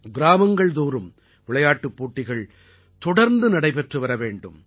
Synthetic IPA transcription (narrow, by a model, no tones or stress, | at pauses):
ɡɪɾaːmɐŋɡɐɭd̪uːɾɯm | ʋɪɭɐjaːʈːɯpːoːʈːɪɣɐɭ | t̪ɔɽɐɾnd̪ɯnɐɽɐɪpɛʈrɯʋɐɾɐʋeːɳɖɯm